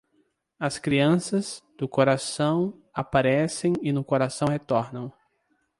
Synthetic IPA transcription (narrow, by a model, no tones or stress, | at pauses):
ɐskɾiɐ̃sɐzd̪ʊkoɾasɐ̃w̃apaɾɛsẽj̃ɪnʊkoɾasɐ̃w̃ɦet̪ɔɾnɐ̃w̃